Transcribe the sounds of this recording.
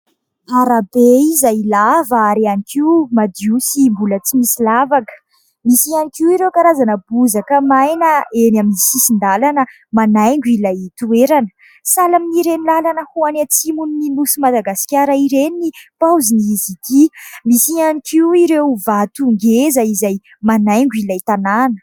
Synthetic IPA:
aɾabeizajilavaaɾianikiwmad̪usimbulət͡simisilavakə̥ | misianikiuiɾewkaɾazanəb̥uzakəmajnəenaminisisind̪alanə | manajŋɡuilajit̪ueɾanə̥ | salaminiɾenilalanəhuanat͡simunːilusimad̪aɡasi̥kʲaɾaiɾeninipawziniizikimisianikiuiɾewvat̪uŋɡezaizaj | manajŋɡuilajt̪ananə̥

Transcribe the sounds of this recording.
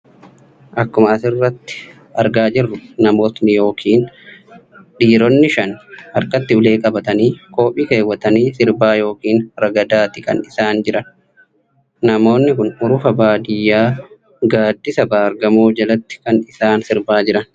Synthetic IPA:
ʔɐkːʊmɐɐsɪrːɐt̪ːɪ̥ | ɐɾɡaːd͡ʒɪrːʊnɐmo̞ːt̪nɪjo̞ːkʰiːn | ᶑiːɾɔnːɪʃɐnɐɾkɐt̪ːɪʊle̞ːkʼɐbɐt̪ɐniːko̞ːpʼiːke̞ːwːɐt̪ɐniːsɪɾbaːjo̞ːkiːnɾɐɡɐd̪aːt̪ɪkʼɐ̰nɪsaːnd͡ʒɪɾɐn | nɐmo̞ːnːɪkʊnʊɾʊfɐbaːd̪ɪjːaː | ɡaːd̪ːɪsɐbaːɐɾɡɐmoːd͡ʒɐlɐt̪ːɪ̥kɐnɪsaːnsɪɾbaːd͡ʒɪɾɐn

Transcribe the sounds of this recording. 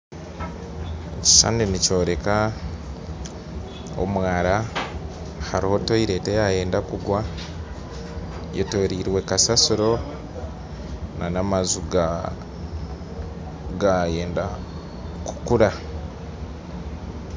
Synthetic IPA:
eci̥sa̰ninico̞ːɾe̞ka | o̰mwaːɾa | ha̰ɾiho̞toiɾe̞tejaje̞ːndakuɡwa | jetoːɾiːɾwe̞kasasuɾo̞ | nanamazuɡa | ɡajeːnda | ku̥kuɾa

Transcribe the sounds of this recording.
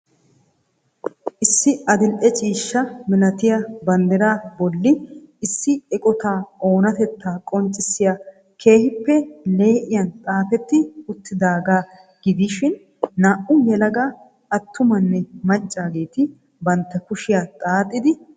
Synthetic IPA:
ʔɪsːɪʔɐd̪ɪlʔɛt͡ʃʼiːʃːɐmɪlɐt̪ɪjɐbɐnd̪ɛɾaːbɔlːɪɪsːɪɛkʼɔt̪aːʔo̞ːnɐt̪ɛt̪ːaːkʼɔnt͡ʃʼːɪsɪja | kʰe̞ːhɪpːɛle̞ːʔɪjɐnt̪ʼaːfɛt̪ːɪʊt̪ːɪd̪aːɡaː | ɡ̥ɪd̪iʃɪnː | aːʔʊjɛlɐɡa | ʔɐt̪ːʊmɐnːɛmɐt͡ʃʼːaːɡe̞ːt̪ɪ | bɐnt̪ːɐkʊʃɪjat̪ʼaːt̪ʼːɪd̪ɪ

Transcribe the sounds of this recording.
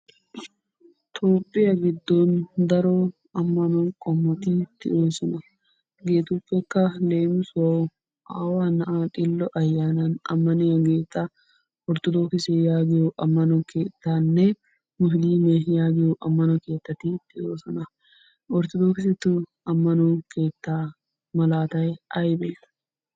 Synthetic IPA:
t̪ʰoːpʼːɪjɐɡɪd̪ːoːnd̪ɐɾoː | ɐmːɐnoŋkʼɔmːɐt̪iːt̪ːɪ̰oːsɔnɐ | ɡeːt̪upːɛkːɐle̞ːmɪswɐʊ | aːwaːnɐʔaːt̪ʼɪlːɔʔɐjːaːnɐnɐ̰mːɐneɐɡeːt̪ʼːɐ | ɔɾt̪ʊd̪oːkɪsejaːɡɪʊʔɐmːɐnuːkeːt̪ːaːnːe | mʊɦliːmejaːɡɪuʔɐmːɐnoke̞ːt̪ːɐt̪ːiːt̪ːɪoːsɐnɐ | ɔɾt̪ʊd̪oːkɪsɪt̪ːʊ | ɐmːɐnuːke̞ːt̪ːaː | mɐlaːt̪ɐʔɛʔɐjɪbeːt̪ɐ̥

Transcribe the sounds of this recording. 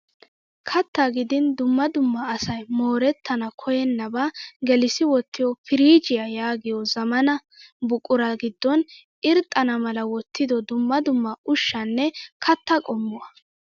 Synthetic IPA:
kʰɐt̪ːaɡɪd̪ɪnd̪ʊmːɐd̪ʊmːɐːsɐjmoːɾɛt̪ːɐnɐkʰɔjɛnːɐbaɡɛlɪsɪwɔt̪ːɪjɔfɪɾiːd͡ʒɪjɐjaːɡɪjɔzɐmɐnɐ | bʊkʼːʊɾɐɡɪd̪ːɔn | ɪɾt̪ʼːɐnɐmɐlɐwɔt̪ːɪd̪ɔd̪ʊmːɐd̪ʊmːɐʔʊʃːɐnːɛkʰɐt̪ːɐkʼɔmːʊwɐ

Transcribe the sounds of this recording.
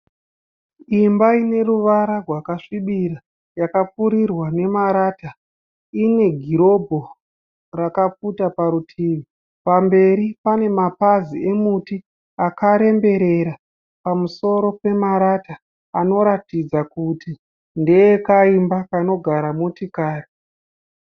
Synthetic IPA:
imbaine̞ruʋaɾarwakaʂiɓiɾa | jakapuɾirwane̞maɾaːta | ine̞ɡʱiɾo̞bʱo̞ | rakap͡futapaɾutʰiːʋi | pambe̞ɾipane̞mapazie̞muti | akaɾe̞mbe̞ɾe̞ɾa | pamuso̞ɾo̞pe̞maɾataː | no̞ɾatid͡zakuti | ndeekaimbakano̞ɡʱaɾamutikaːri

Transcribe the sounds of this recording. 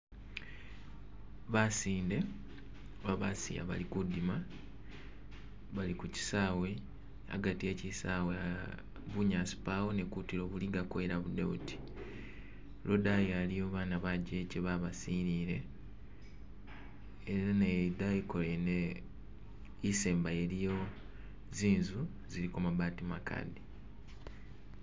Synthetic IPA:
βasiːnde̞ | oβaβasḭja̰βa̰likudima | βalikuci̥saːwe̞ | a̰ɡatie̞cisawe | βuɲasi̥pawone̞kutiɾo̞ːβuliɡakweɾaβud̪ḛṵti̥ | lʔodajalijoːβaːnaβaɟeceβaβasiniːɾe̞ | eɾɾanedaiko̞lene | iseːmbajelijo̞ | ziːnzu | ziɾikomaβaːtimakʰa̰di

